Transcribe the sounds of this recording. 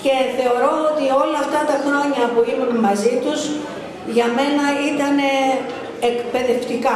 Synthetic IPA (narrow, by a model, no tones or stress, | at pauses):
ce̞θe̞o̞ɾo̞ot̪io̞lɐːft̪ɐt̪ɐxɾo̞ɲɐpuimunmɐzit̪uz | ʝɐme̞nɐit̪ɐne̞ː | kpe̞ðe̞ft̪ikɐ